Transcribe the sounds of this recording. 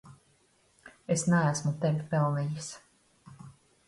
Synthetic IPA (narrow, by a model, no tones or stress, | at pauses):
esnaæsmut̪ɛvʲpɛlˠnijis